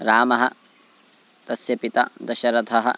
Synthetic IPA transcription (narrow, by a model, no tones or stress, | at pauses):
ɾaːmɐɦɐ̆ | t̪ɐsjɐpit̪ɐ̰d̪ɐʃɐɾɐt̪ʰɐɦɐ̰̆